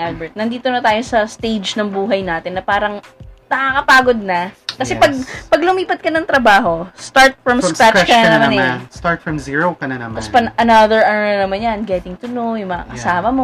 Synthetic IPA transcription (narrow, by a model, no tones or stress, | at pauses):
ʔal̚bɛɹt̪̚nɐnd̪iːt̪onɐt̪aːjo̞sɐst̪ejd͡ʒnɐŋbuːɦɐjnaːt̪ɪnːɐpaːɾɐŋ | nɐkaːkɐpaːɡod̪̚nɐkɐsɛpɐɡ̚pɐɡlʊmiːpɐt̪̚kɐnɐŋt̪ɾɐbaːɦo̞st̪aɹt̪̚fɹɐmspɛt͡ʃkɐnɐnɐmanɐjst̪aɹt̪fɹɐmziɹokɐnanɐmɐspɐnʔɐnɐðɛɹʔɐnnɐnɐmanjɐnɡɛt̪ɪŋt̪ʊnowjʊŋmɐŋa̰kɐsaːmɐmo